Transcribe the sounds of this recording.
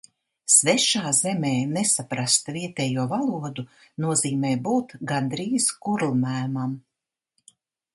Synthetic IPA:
svɛʃaːzɛmɛːnesapɾast̪viɛt̪ɛːjuɔvalˠuɔd̪u | nuɔziːmɛːjbuːt̪ɡand̪ɾiːzkuɾlˠmæːmam

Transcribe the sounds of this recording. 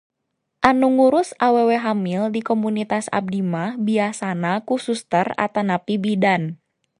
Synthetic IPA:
ʔanuŋuɾʊsaweweɦamildikɔmunit̪asa̰b̚dimahbiasanakusust̪əra̰t̪anapibidan

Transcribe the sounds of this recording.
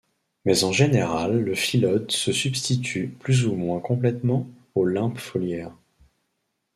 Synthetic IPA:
mɛzɑ̃ʒeneʁalːəfilɔd̪səsybst̪it̪ʰyplyzumwɛ̃kɔ̃plɛt̪mɑ̃ | olɛ̃pfɔljɛːʁ

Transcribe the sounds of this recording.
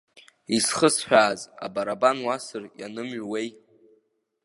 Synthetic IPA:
isχəsħᶣaːza̰baɾabanwasɨrjanɨmɥwe̞j

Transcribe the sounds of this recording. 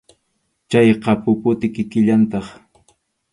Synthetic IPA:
t͡ʃajqɑpʊpʊt̪ɪkɪkɪʎant̪ɑχ

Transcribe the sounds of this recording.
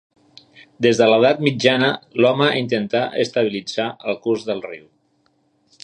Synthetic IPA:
d̪ezðələð̞at̪mid͡ʒanəlɔməint̪ənt̪aʔəst̪əβilid͡zaʔəlˠkuzðəlˠriw

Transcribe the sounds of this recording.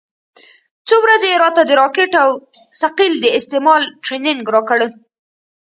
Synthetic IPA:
t͡sowɾazeeɾɑt̪ad̪əɾɑkɪʈaw | saqild̪əɪst̪emɑlʈɾenɪŋɡɾɑkəɽə

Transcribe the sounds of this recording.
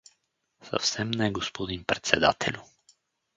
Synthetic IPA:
sə̰fsɛmnɛɡospod̪inpɾɛt̪sɛd̪a̰t̪ʰɛlʲu

